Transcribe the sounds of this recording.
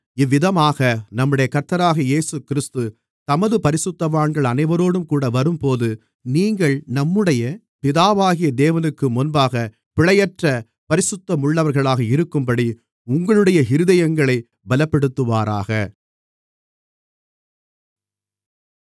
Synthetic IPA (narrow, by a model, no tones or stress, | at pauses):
ɪʋːɪðɐmaːɣɐnɐmːɯɽɐjɐkɐɾt̪ːɐɾaːɣɐjeːsɯkɪɾɪst̪ɯ | t̪ɐmɐðɯpɐɾɪsɯt̪ːɐʋaːɳɡɐɭɐnɐɪʋɐɾoːɽɯmkuːɽɐʋɐɾɯmpoːðɯ | niːŋɡɐɭnɐmːɯɽɐjɐ | pɪðaːʋaːɣɪjɐd̪eːʋɐnɯkːɯmʊnbaːɣɐ | pɪɭɐjɐʈrɐ | pɐɾɪsɯt̪ːɐmʊɭːɐʋɐɾɣɐɭaːɣɐɪɾɯkːɯmpɐɽi | ʊŋɡɐɭɯɽɐjɐɦɪɾɯðɐjɐŋɡɐɭɐɪ | bɐlɐpːɛɽɯt̪ːɯʋaːɾa̰ːɣɐ